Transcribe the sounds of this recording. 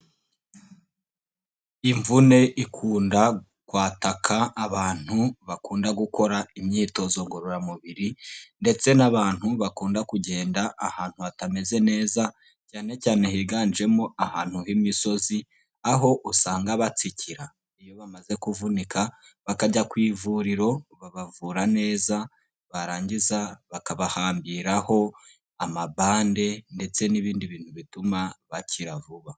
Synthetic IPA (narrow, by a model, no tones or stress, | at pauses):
iɱvune̞ʔikʰuːnda | kwaːtakʰaːβaːn̥huβakuːndaɡuko̞ɾaimɲiːto̞zo̞ŋɡoɾoɾamuβiɾinde̞t͡se̞naβaːn̥huβakuːndakuɟe̞ːndaʔahaːn̥huatame̞ze̞ne̞ːza | caːne̞caːne̞hiɡaːnʒe̞moahaːn̥huhimiso̞zi | aɦo̞ʔusaːŋɡaβat͡siciɾa | ijo̞βamaze̞kuvunika | βakaɟakwiːvuɾiɾo̞βaβavuɾane̞ːza | βaɾaːɲɟizaβakaβahaːmbiɾaho̞ | amabaːnde̞nde̞t͡se̞niβiːndiβiːn̥huβitumaβaciɾavuβa